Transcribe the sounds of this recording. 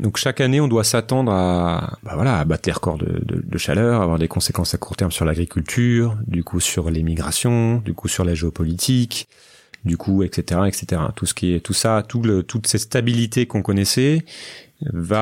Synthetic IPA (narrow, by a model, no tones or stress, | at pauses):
d̪ɔ̃kʃakaneɔ̃d̪wasat̪ɑ̃d̪ʁabavwalaːbat̪leʁəkɔ̰ʁd̪ə̰d̪ə̰d̪əʃa̰lœʁaːvwaʁd̪ekɔ̃sekɑ̃sakuʁt̪ɛʁmsyʁlaɡʁikʲylt̪ʰyːʁd̪ykʰusyʁlemiɡʁasjɔ̃d̪ykusyʁlaʒeopɔlit̪ʰik | d̪ykʰuɛkset̪eʁaɛkset̪eʁa̰t̪usə̥kʲiɛt̪usat̪ulət̪ut̪sɛt̪st̪abilit̪ekɔ̃kɔnɛsɛ | va